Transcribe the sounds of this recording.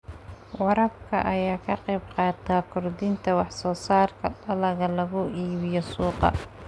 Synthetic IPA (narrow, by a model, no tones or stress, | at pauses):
wɑɾɐbkʰɐʔɐjaːkʰɐqɛjbqɑːt̪ʰaːkʰʊrd̪ɪnt̪ʰɐwɑħsɔːsaːrkʰɐɗɐlɐɣɐlɐɣʊʔiːβɪjɔsuːqɑ̰